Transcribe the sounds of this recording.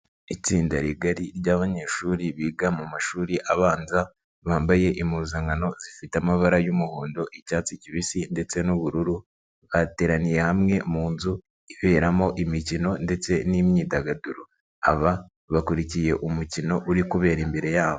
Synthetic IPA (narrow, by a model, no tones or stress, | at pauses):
it͡siːndaɾiɡaɾiɾɟaːβaɲe̞ːʃuːɾiβiːɡamumaʃuːɾiʔaβaːnza | βaːmbaje̞ʔimuːzaŋɡano̞zifitamaβaɾajumuhoːndo̞ʔicaːt͡siciβisinde̞t͡se̞nuβuɾuɾu | βate̞ːɾanije̞hamŋe̞muːnzu | iβe̞ːɾamo̞ʔimicino̞nde̞t͡se̞nimɲiːdaɡaduɾo | a̰βa | βakuɾicije̞ʔumucino̞ʔuɾikuβe̞ːɾimbe̞ɾe̞jaːβo